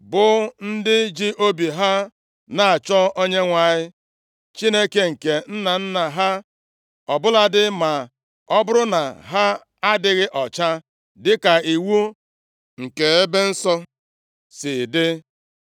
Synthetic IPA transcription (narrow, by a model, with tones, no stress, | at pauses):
bʊ˨n̩˦dɪ˦d͡ʒi˦ʔo˦bi˨ɦa˦ | na˨a˨t͡ʃɔ˦o˦ɲe˦ŋʷa˨ɲɪ˦ | t͡ʃi˦ne˦ke˨ŋ̩˨ke˨n̩˦na˨n̩˦na˨ɦa˦ | ɔ˨bʊ˦la˦dɪ˦ma˨ | ɔ˦bʊ˦ɾʊ˦na˨ɦa˦ | a˦dɪ˦ɣɪ˦ʔɔ˨t͡ʃa˦ | dɪ˦ka˨i˨wu˦ | ŋ̩˨ke˨e˦be˦n̩˦sɔ˦ | sɪ˨dɪ˦